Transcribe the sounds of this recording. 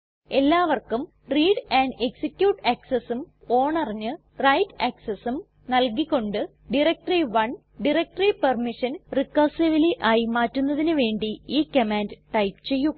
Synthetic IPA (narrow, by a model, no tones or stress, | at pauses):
e̞lːaːʋɐrkum | riːɽaːɳɖeksikjuːʈɐksesum | o̞ːɳɐriɲːɨ | rɐjtːɐksɐsum | nɐlkikʲːo̞ɳɖɨ | ɖiɾek̚ʈɐriʋɐɳ | ɖirek̚ʈripɐrmiʂɐnrikːɐsiʋiliʔaːjimaːtːunːɐðinɨʋe̞ːɳɖiiːkɐmaːndɨʈɐjpt͡ɕe̞jːu